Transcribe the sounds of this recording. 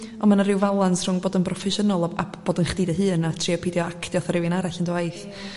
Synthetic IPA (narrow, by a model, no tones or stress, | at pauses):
ɔnmanarɪwvalˠansr̥ʊŋboːdənprɔfɛʃənɔlˠa̰b̥oːdənχd̥iːdəɦɨːnatʰriɔpʰidjɔakʰd̥jɔθaɾɪwɪnaɾaɬəndwajθ